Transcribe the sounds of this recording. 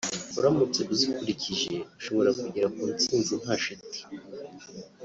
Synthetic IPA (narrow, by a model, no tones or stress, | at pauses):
uɾamut͡seʔuzikuɾiciʒe̞uʃoβoɾakuɟiɾakuut͡siːnzum̥haʃiti̥